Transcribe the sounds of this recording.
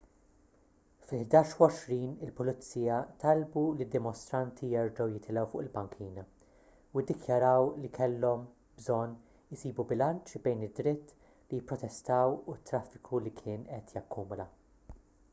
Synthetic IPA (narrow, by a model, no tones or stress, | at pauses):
fɪlħd̪ɐːʃuwɔʃɾiːnɪlpʊlɪt͡sːiːjɐt̪ɐlbulid̪ːɪmɔst̪ɾɐnt̪ʰijɛɾd͡ʒɐwjɪt̪ʰɪlɛwfʊ̰ʔɪlbɐŋkʰiːnɐ | uɪd̪ːɪkjɐɾɐwlikʰɛlːɔm | bzɔnː | ɪsiːbubɪlɐnt͡ʃbɛjnɪd̪ːɾɪt̪ː | lijɪpːɾɔt̪ɛst̪ɐːwʊt̪ːɾɐfːɪ̥kʰulikʰɪːnʔɛt̪ʰjɐkʰːuːmʊlɐ